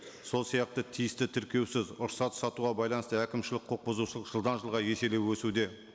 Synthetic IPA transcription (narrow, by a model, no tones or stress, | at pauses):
so̞lˠsijɑq̚t̪ət̪ʰijɪst̪ɪt̪ʰɪɾkʲe̞wsɪzʊɾsɑt̪ə̥sɑt̪uʁɑbɑjlˠɑnəst̪əækʲɪmʃɪlɪk̚qʰo̞q̚bʊzuʃəlˠəqʒ̥əlˠd̪ɑnʒəlˠʁɑje̞se̞le̞wwɵsud̪e̞